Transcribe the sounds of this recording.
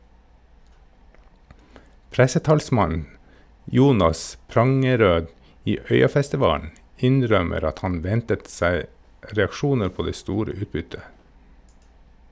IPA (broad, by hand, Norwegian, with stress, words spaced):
ˈpɾæsəˌtɑːlsmɑn ˈjuːnɑs ˈpɾɑŋəˌɾøː ˈiː ˈœʏɑfæstɪˌʋɑːn̩ ˈɪnˌɾœməɾ ˈɑt ˈhɑn ˈʋɛntət ˈsæɪ ɾɛɑkˈʃuːnə ˈpoː ˈdeː ˈstuːɾə ˈʉːtˌbʏtə